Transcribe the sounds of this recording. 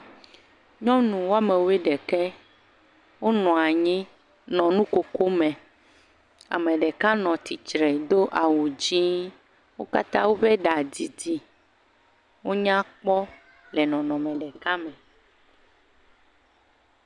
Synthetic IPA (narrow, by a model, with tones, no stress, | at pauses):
ɲɔ̃˦nũ˨wo˦a˦mɛ̃˨wo˦e˦ɖɛ˨kɛ˦ | wo˦nɔ̃˨a˨ɲĩ˦ | nɔ̃˨nũ˦ko˨ko˦mɛ̃˨ | a̰˨mɛ̃˨ɖɛ˨ka˦nɔ̃˨t̪i˨t͡ʃɾɛ˨d̪o˦ʔa˨wu˨d͡ʑi˦ | wo˦ka̰˦t̪ã˦wo˦ɸɛ˦ɖa˨d͡ʑi˨di˨ | wo˦ɲã˦k͡pɔ˦ | lɛ˨nɔ̃˨nɔ̃˨mɛ̃˨ɖɛ˨ka˦mɛ̃˨